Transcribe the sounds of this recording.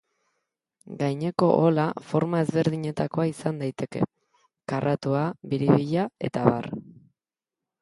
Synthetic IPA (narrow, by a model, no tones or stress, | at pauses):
ɡajɲe̞ko̞ʔolafo̞ɾmae̞zβe̞ɾðiɲe̞t̪ako̞aisand̪ajt̪e̞ke̞̰ | karʔat̪uaβiɾiβiʎae̞̰t̪aβar